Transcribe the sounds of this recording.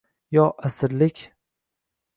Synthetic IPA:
jɒʔasɪɾlɪkʲ

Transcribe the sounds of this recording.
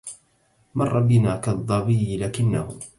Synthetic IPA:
mɑrˤːɑbɪnaːkɑd̪ˤːɑbɪjːɪlaːkɪnːahʊ

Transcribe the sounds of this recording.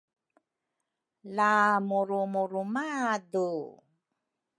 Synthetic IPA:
lamuɾumuɾumadu

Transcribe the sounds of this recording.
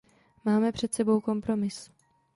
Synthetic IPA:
maːmɛpr̝̥ɛt̪sɛbo̞wko̞mpɾo̞mɪs

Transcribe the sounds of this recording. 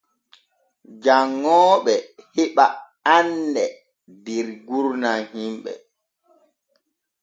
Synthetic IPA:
d͡ʒaŋːɔːɓɛhiɓa | andɛ | diɾɡuɾnahimɓɛ̰

